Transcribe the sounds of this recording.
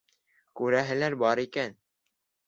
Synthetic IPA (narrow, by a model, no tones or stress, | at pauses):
kʉɾæɦɘ̆læɾbɑɾikæn